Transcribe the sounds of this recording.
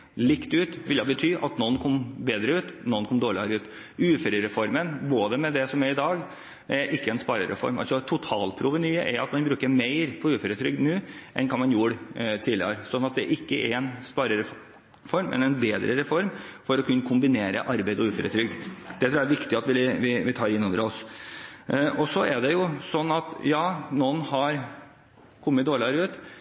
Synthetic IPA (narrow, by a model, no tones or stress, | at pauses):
lɪkt̪ʉːt̪ʋɪljɑbət̪ʰyːʔɑt̪nɔnːkʰɔmbeːd̪ɾəʉːt̪nɔnkʰɔmd̪oːɭɪɑɾəʉːt̪ | ʉːfəɾəɾɛfɔɾmənboːd̪əmɛd̪ɛsɔmæɾɪd̪ɑːɡ | ɛɾʔɪkːəɛnspɑːɾə̰ɾɛ̰fɔ̰ɾmɑ̰lsɔt̪ʰʊt̪ʰɑːlpʰɾuːʋənyːəʔɛɾɑt̪mɑnbɾʉːkəɾmeɪɾpʰɔʉːfəɾət̪ʰɾʏɡ̪nʉːʔɛ̰nkʰɑnmɑnjuːɾt̪ʰiːlɪə̰ɾsɔnːɑt̪̚d̪ɛ̰ɾʔɪkːəʔɛɾɛnspɑːɾəɾ | fɔɾmːɛ̰nɛnbeːd̪ɾəɾɛfɔɾmfɔɾɔkʰʉnːəkʰʊmbɪneːɾə̰ʔɑɾbæɪd̪ɔʉːføɾə̰t̪ʰɾʏɡd̪d̪̥ɛt̪ɾuːæɾʋɪkt̪ɪɑt̪ʋɪʋɪʋɪt̪ʰɑːɾɪnːoːʋəɾɔs | ʔɔsɔɛɖɛjʊsɔnːɑt̪jɑːnɔnhɑɾ | kʰɔmːət̪d̪oːɭɪɑɾəʉːt̪